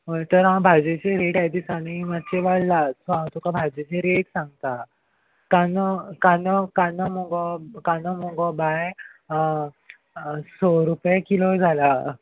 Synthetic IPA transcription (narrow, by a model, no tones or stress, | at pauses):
ət̪əɾɦãbʱad͡ʑet͡ɕeɾeʈajd̪isaɽimat̪̚t͡ɕeʋaɽlasɔɦãt̪ʰukabʱad͡ʑet͡ɕeɾeʈsãŋɡ̚t̪a | kanəkanɔkanəmɔɡɔkanəmɔɡɔbaj | soɾupjekilod͡zʱala